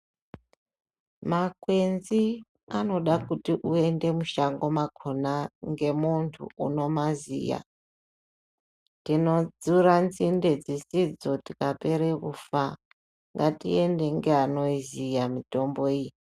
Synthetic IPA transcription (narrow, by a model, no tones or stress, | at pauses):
makwe̞nzi | ano̞ɗakutiʔue̞nde̞muʃaŋɡo̞makʰonaŋɡe̞muntʰṵuno̞mazḭja̰ | tino̞d͡zuɾanzinded͡zisid͡zo̞tikape̞ɾekufa | ŋɡatḭe̞nde̞ŋɡeano̞izijamito̞mbo̞ij